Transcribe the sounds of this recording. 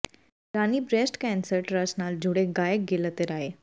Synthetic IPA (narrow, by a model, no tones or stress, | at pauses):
ɾaniːbɾesʈkɛnsəɾʈɾəsnald͡ʑʱuɽeɡajək̚ɡelət̪eɾaɦe